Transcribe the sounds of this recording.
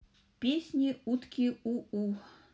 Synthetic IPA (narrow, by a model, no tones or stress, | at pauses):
pʲesʲnʲiut̪kʲiuu